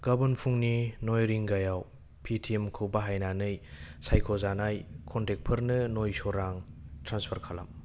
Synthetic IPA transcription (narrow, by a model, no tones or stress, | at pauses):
ɡ̥ɐbɐnpʰuŋninojɾiŋɡajaw | pʰitʰiemkʰɯwbɐɦajnanɯjsajkʰozanajkʰontek̚pʰɯɾnɯnojsoɾaŋtɾanspʰɐɾkʰala̰m